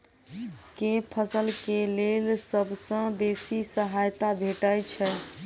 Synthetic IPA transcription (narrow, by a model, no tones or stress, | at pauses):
kepʰəsəlkelelsəbʱsə̃besisəɦajt̪abʱeʈəjt͡ʃʰɛ